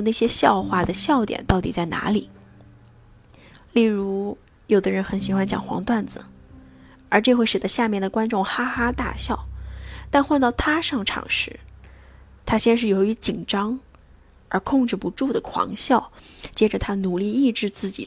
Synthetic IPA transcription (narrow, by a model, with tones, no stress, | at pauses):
na˥˩ɪɕjɛ˥ɕjɑ˥˧ʊxwa˥˩d̪ə˩ɕjɑ˥˧ʊt̪jɛ̰˨˩nt̪ɑ˥˩ʊt̪ḭ˨˩t͡sa˥˩ɪna̰˧˥li˨˩˦ | li˥˩ɻu˧˥ | jo˨˩ʊd̪ə˦ɻə˧˥nxə˨˩nɕi˧˥xwa˥nt͡ɕjɑ̰˨˩ŋxwɑ̰˧˥ŋt̪wa˥˩nd͡zɹ̩̰˩ | ə˞˧˥ʈ͡ʂɤ˥˧xwe˥˩ɪʂɻ̩˨˩t̪ə˧˦ɕja˥˧mjɛ˥˩nd̪ə˩kwa˥nʈ͡ʂʊ˥˩ŋxa˥xa˥t̪a̰˥˧ɕjɑ˥˩ʊt̪a˥˧nxwa˥˧nt̪ɑ˥˩ʊt̪ʰa˥ʂɑ˥˩ŋʈ͡ʂʰɑ̰˨˩ŋʂɻ̩˧˥ | t̪ʰa˥ɕjɛ˥˧nʂ̬ɻ̩˥˩jo˧˥ʊy˧˥t͡ɕi˨˩ŋʈ͡ʂɑ˥ŋ | ə˞˧˥kʰʊ˥˧ŋʈ͡ʂɻ̩˥˩pu˧˥ʈ͡ʂu˥˩d̪ə˩kʰwɑ̰˧˥ŋɕjɑ˥˩ʊt͡ɕjɛ˥ʈ͡ʂə˨t̪ʰa˥nu˨˩li˥˧i˥˧ʈ͡ʂɻ̩˥˧t͡sɹ̩˥˩t͡ɕḭ˨˩